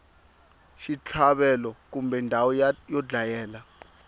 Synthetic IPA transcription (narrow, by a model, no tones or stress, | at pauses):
ʃit͡ɬʰaɓɛlɔk̬umbʱɛindʱawɔjɔd͡ɮajɛːla